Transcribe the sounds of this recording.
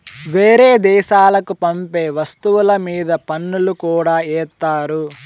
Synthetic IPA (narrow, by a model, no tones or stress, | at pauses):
ʋeːɾeːd̪ɛːʃaːlɐkupɐmpeːʋɐst̪uwulɐmiːd̪ɐpɐnːulukuːɽaːɛːt̪ːaːɾu